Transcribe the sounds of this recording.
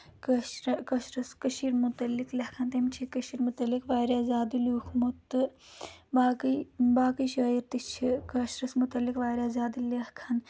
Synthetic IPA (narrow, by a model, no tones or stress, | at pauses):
kɐʃɾkɐʃɾɐskɐʃiɾmut̪ɐlːiklɐhkʰɐnt̪ɐmt͡ʃʰikɐʃiɾmut̪ɐlːikʋaːɾaːzaːd̪iluːkʰmut̪ːɨ | baːkbaːkiʃɐːjiɾt̪it͡ʃʰikɐʃɾɐsmut̪ɐlːikʋaːɾʲaːzaːd̪ilɐhkʰɐn